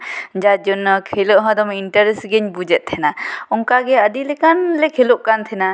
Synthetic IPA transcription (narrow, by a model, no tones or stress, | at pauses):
d͡ʒad͡ʒɔnːɔkʰelɔʔɦɔd̪ɔminʈaɾɛsɡeɲbud͡ʒɛt̪̚t̪ʰɛnaɔŋkaɡɛədilɛkanlekʰelɔʔkant̪ʰɛna